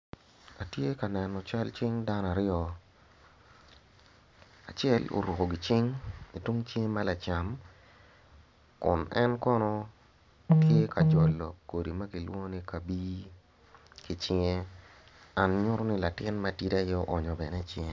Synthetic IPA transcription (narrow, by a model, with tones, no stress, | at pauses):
a˨tje˦ka˨nɛ˨nːɔ˨t͡ʃa˦lt͡ʃɪ˦ŋda˦n˨a˨ɾɪɔ˦ | a˨t͡ʃɛ˦lo̰˨ɾu˨ko˨ɡi˨t͡ʃɪ˦ŋi˨twu˦ŋt͡ʃŋe˦ma˦la˨t͡ʃa˨m | kʊ˨nɛ˦nkɔ˦nɔ˦ | tje˦ka˨d͡ʒɔ˨lːɔ˨kːo˨di˨ma˦ɡi˨lwo˦ŋ˦ni˦ka˨bi˦ | ki˨t͡ʃɪ˦ŋe˦ | a˨nɲʊ˦ɾɔ˦nɪ˦la˨tɪ˦nma˦ti˦ta˦jɔ˦ʔɔ˨ɲɔ˨bɛ˨nɛ˦t͡ʃɪ˦ŋe˨˦